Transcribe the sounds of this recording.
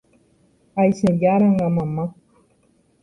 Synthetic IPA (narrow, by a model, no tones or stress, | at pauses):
ajseɾjaɾaŋamamak